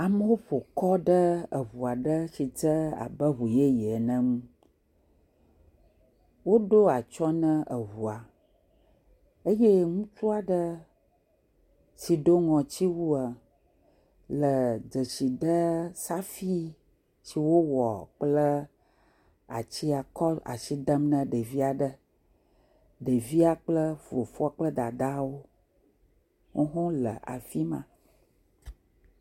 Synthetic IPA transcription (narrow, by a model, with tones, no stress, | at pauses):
a˨mə˦wo˦ɸo˨kɔ˦ɖə˦ə˨βu˨a˨ɖə˦si˨t͡sə˦a̰˨bə˦ɦu˨je˦jɛ˨nə̃˦mũ˦ | wo˦ɖo˦a˨t͡ʃɔ˦nə̃˦ʔə˨βu˨a˨ | ə˦je˦ŋũ˦t͡ʃu˦a˨ɖə˦ | si˨ɖo˦ŋɔ̃˨t͡ɕi˦wu˦a˨ | lə˨d͡zə˨ʃi˨d̪ə˦sa˦fi˦ | si˨wo˦wɔ̰˨k͡plə˦ | a̰˨t͡ɕi˦a˨kɔ˦la̰˨ʃi˦d̪ə˦mnə̃˨ɖe˨vi˦a˨ɖə˦ | ɖə˨vi˦a˦k͡plə˦vo˨fɔ˦a˦˨k͡plə˦d̪a˨d̪a˦wo˦ | ŋo˦ɦõ˦lə̰˨ʔa̰˨fi˦mã̰˨